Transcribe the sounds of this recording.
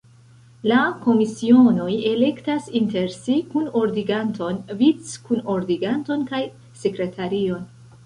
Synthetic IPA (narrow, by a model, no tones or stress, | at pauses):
lako̞misio̞no̞je̞le̞ktasinte̞ɾsikuno̞ɾdiɡanto̞nvit͡skuno̞ɾdiɡanto̞nkaj | se̞kɾe̞tʰaɾio̞n